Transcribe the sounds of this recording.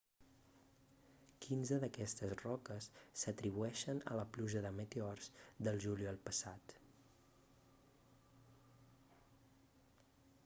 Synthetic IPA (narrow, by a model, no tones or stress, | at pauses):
kʰinzəðəkɛst̪əzrɔkəsːət̪ɾiβuɛʃənə̰ləpluʒəðəmet̪eɔrzd̪əlˠʒuliəlˠpəsat̪